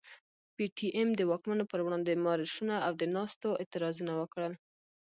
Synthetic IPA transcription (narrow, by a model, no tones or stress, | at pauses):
piʈʰiʔemd̪əwɑkmanopəɾwɽɑnd̪emɑɾɪʃunaawd̪ənɑst̪oɪt̪ɪɾɑzunawəkɽəl